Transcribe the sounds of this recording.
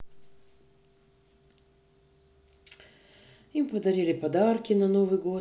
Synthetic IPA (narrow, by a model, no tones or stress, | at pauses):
impɐd̪ɐɾilʲɪpɐd̪aɾkʲinanovɨjɡo